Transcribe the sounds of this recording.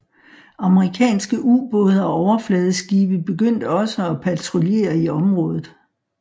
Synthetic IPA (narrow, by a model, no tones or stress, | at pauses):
ɑ̈məʁikʰɛ̰ːnsɡ̥əʔub̥ɔ̽ːð̞ˠɐɒ̽ɒʊɐflɛːð̞ˠəsɡ̥iːb̥əb̥e̝ɡ̥øn̰d̥əɒ̽səɒ̽pʰæt͡sʰʁole̝̰ːɐiɒ̽mʁɔ̽ːð̞ˠð̩ˠ